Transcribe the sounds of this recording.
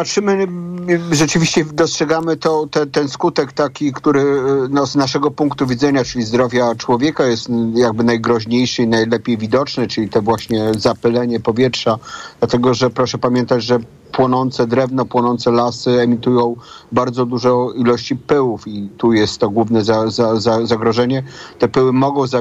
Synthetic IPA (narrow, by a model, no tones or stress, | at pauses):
patʂɘmɘ | ʐɛt͡ʂɘvʲiɕt͡ɕɛd̪ɔstʂɛɡamɘt̪ɔt̪ɛt̪ɛnskut̪ɛkt̪akʲikt̪uɾɘnɔznaʂɛɡɔpuŋkt̪uvʲid̪zɛɲat͡ʂɘlʲizd̪ɾɔvʲjat͡ʂwɔvʲjɛkajɛst̪jaɡ̚bɘnajɡɾɔʑɲejʂɘinajlɛpʲjejvʲid̪ɔt͡ʂnɛt͡ʂɘlʲit̪ɔvwaɕɲɛzapɘlɛɲɛpɔvʲjɛtʂad̪lat̪ɛɡɔʐɛpɾɔʂɛpamʲjɛnt̪ad͡ʑʐɛ | pwɔnɔnt̪sɛd̪ɾɛvnɔpwɔnɔnt̪sɛlasɘɛmʲit̪ujɔ̃w̃baɾd̪zɔd̪uʐɔilɔɕt͡ɕipɘwufit̪ujɛst̪ːɔɡwuvnɛzazazazaɡɾɔʐɛɲɛt̪ɛpɘwɘmɔɡɔ̃w̃za